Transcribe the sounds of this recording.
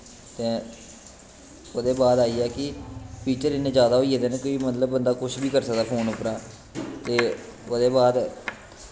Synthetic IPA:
t̪eː | oːd̪eːbaːd̪aːiːɛːkɪpiːt͡ʃəɾɪnẽːd͡ʒjaːd̪aːɦoːiːed̪enẽːkoːiːmət̪ləbːənd̪aːkʊʃbiːkəɾsəkd̪aːkʰoːnʊpɾaː | t̪eːoːd̪eːbaːd̪

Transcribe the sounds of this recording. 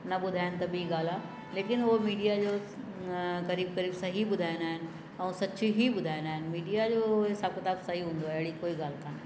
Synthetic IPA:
nɐɓʊd̪ʱaːɪnɪ̆t̪ɐbɪiɡaːl̤ã | leːkɪnʊɦomiːɖijad͡ʑoː | ɣɐɾiːb̚kɐɾiːbsɐ̃ɦiɓʊd̪ʱaːɪ̃naːɦɪnɪ̆ | ɛ̃ːsɐt͡ɕʰiɦiɓʊd̪ʱaːɪ̃naːɦɪnɪ̆miːɖijad͡ʑoːɦɪsaːb̚kɪt̪aːbsaɦiɦũːnd̪oaːɦɪɪɽikoːiɡaːl̤kaːn

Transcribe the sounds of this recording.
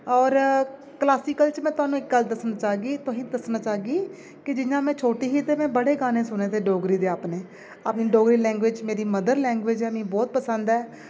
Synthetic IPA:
ɔːɾ | klaːsiːkəlt͡ʃmɛ̃ːt̪ʊaːnũːɪk̚ɡəld̪əsnaːt͡ʃaːɡiːt̪ʊɦĩːd̪əsnaːt͡ʃaːɡiː | kɪd͡ʒɪjãːmɛ̃ːt͡ʃʰoːʈiːɦiːt̪eːmɛ̃ːbəɽeːɡaːnẽːsʊnẽːt̪eːɖoːɡɾiːd̪eːaːpneː | aːpniːɖoːɡɾiːlɛ̃ːŋɡʋɪd͡ʒmeːɾiːməd̪əɾlɛ̃ːŋɡʋɪd͡ʒɛːmĩːbɔːt̪̚pəsənd̪ɛː

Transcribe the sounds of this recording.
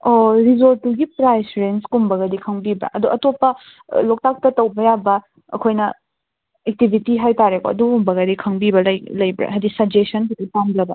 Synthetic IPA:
oɾizoltːuɡipɾajsɾenskumbɐɡɐdikʰɐŋbibɐ̰ʔɐduʔɐtopːɐ | lok̚tak̚tɐtɐwbɐjabɐ | ɐkʰojnɐ | ek̚tibʱitiɦajtaɾeko̰ɐdukumbɐɡɐdikʰɐŋbibɐlɐjlɐjbɾḛɦɐdisɐb̚d͡ʒesɐnkʰidipamblɐbɐ

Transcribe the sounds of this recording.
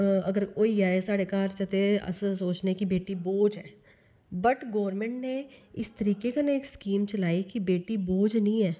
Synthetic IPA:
ɐɡəɾkoːiaːesaːɽekaːɾt͡ʃɐt̪eɐ̰ssoːt͡ʃnekibeːʈiboːd͡ʒɦɛː | bəʈɡɔːʋəɾmẽɳʈneɪst̪əɾiːkekaneːkskiːmt͡ʃɐlaːikibeːʈiboːd͡ʒnəɦĩɦɛː

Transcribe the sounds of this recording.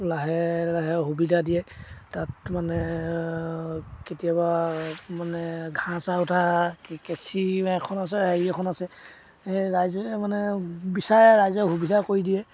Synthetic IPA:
laɦɛlaɦɛɦubidadijɛtatmanɛ | ketijabamanɛɡʱãsautʰakesiɛkʰɔnas̬ɛaiɛkʰɔnasɛ | eɹajzɔmanɛbisaɹɛɹajzɔɦubidʱakoɹidijɛ

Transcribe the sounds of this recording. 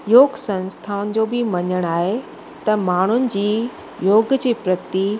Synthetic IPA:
joːɡsɐ̃nst̪ʰaːʊnɪ̆d͡ʑoːbɪmɐɲəɽ̃aːɦe | t̪ɐmaːɳ̤ʊnɪ̆d͡ʑiː | joːɡd͡ʑiːpɾət̪i

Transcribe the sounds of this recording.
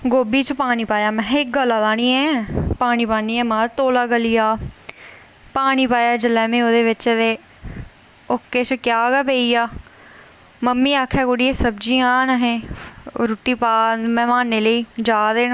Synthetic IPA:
ɡoːbiːt͡ʃpaːñiːpaːjaːmɛ̃ːɪk̚ɡəlaːd̪aːɽiːɛ̃ːpaːñiːpaːniːɛ̃ːmãːt̪oːlaːɡəlijaː | paːɽiːpaːjaːd͡ʒəlɛːmẽːoːd̪eːʋɪt͡ʃd̪eː | ʊkːeːt͡ʃkɪjaːɡɛːpeːiːaː | məmːiːaːkʰɛːkoɽiːeːsəbd͡ʒiːãːnəɦẽːɾuːʈːiːpaːmɛ̃ːmaːnːeːləiːd͡ʒaːd̪eːnː

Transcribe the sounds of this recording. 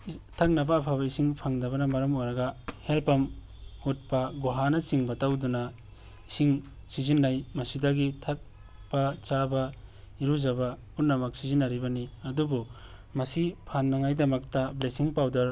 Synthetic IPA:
tʰak̚nɐbɐːpʰabɐisiŋpʰaŋdɐβɐnɐmɐɾɐmojɾɐɡɐhelpɐm | ut̚pɐɡoɦanɐsiŋbɐtawduna | isiŋ | sizinːajmɐsidaɡitʰak̚ | bat͡ʃabɐ | iɾuzaba | unnɐmɐk̚sizinːaɾibɐniɐdubu | mɐsipʰanːaŋajdɐmɐk̚tɐblesiŋpawdɐɾ

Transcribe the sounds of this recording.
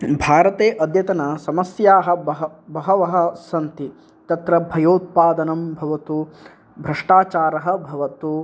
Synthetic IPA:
bʱaːɾɐt̪eːʔɐd̪jɐt̪ɐnɐsɐmɐsjaːɦɐ̆ɐɦbɐɦɐʋɐɦɐ̆sɐnt̪i | t̪ɐt̪ɾɐbʱɐjoːt̪̚paːd̪ɐnɐmbʱɐʋɐt̪u | bʱɾɐʂʈaːt͡ʃaːɾɐɦɐ̆bʱɐʋɐt̪u

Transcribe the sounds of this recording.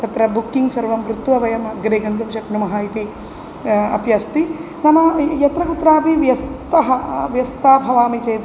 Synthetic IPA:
k̪ɐt̪ɾɐbukːiŋɡsɐɾʋɐmkɾut̪ːʋɐʋɐjɐmɐɡɾeːɡɐnd̪umʃɐknumɐɦɐit̪i | ɐ̰pjɐst̪i | nɐmɐjɐt̪ɾɐkut̪ːɾaːpiʋjɐst̪ɐɦɐʋjɐst̪aːbʱɐʋaːmit͡ʃeːt̪

